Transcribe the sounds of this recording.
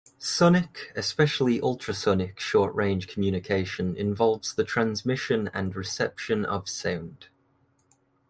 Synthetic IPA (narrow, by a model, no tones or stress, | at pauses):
sʊnɪkɪspɛʃəliʔʌlˠtɹ̥əsʌnɪkʃɔˑʔɹẽɪ̃ndʒ̥kʰəmjʉːnɪkʰeɪʃə̃nɪ̰̃ɱvɒlˠvz̥ðətʰɹ̥ãnzmɪʃə̃nə̰̃nɹɪsɛpʃə̃nə̰v̥sãʊ̃nd̥